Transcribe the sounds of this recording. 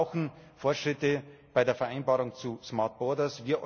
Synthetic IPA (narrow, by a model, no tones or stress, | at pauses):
ʊxn̩ | foɐtʃʁ̥ɪtəb̥aɪdeːɐfɛɐʔaɪnbaːʁʊŋt͡susmaɐt̚b̥ɔɐdɐsviːɐʔɔ